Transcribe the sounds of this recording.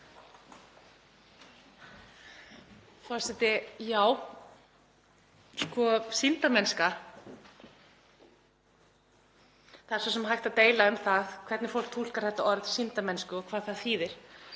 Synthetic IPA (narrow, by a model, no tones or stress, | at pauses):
fḁsɛt̪ɪjaːw | skɔsint̪amɛnska | θaðɛɾsɔsɛmɦajht̪at̪eːjlaʏmθaðkʰvɛɾt̪nɪfowl̥k̚t̪ʰul̥kaɾ̥θɛht̪ːaɔɾðsint̪amɛnskʏɔkʰv̥aːðθaðθiːðɪɾ̥